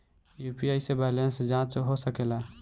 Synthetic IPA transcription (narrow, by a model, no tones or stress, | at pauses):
juːpiaisebalensd͡ʒãt͡ʃɦosəkela